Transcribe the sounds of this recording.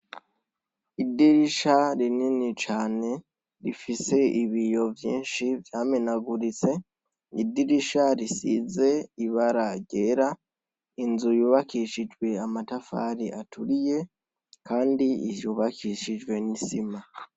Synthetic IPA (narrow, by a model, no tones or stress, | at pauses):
idiɾiʃaɾininit͡ʃaːne̞ | ɾifise̞iβijo̞vjḭːnʃivjaːmenaɡuɾit͡se̞ | idiɾiʃaɾisḭze̞iβaɾaɟe̞ɾa | inzujuːβakiʃid͡ʒwe̞amatafa̰ɾiʔatuɾije̞ | kaːndiijuːβakʰiʃid͡ʒwe̞nisima